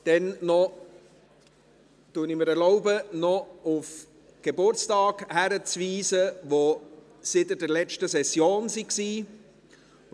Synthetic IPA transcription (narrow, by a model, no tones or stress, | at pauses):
d̥ɛnːɔ | tunɪmɪɾɛɾlɔʊbənɔʊf | ɡ̥ebʊɾt͡stɑːɡhæɾət͡sviːzəʋo | sɪt̪ədɛɾlɛt͡ʃtəsɛsjoːnsiksiː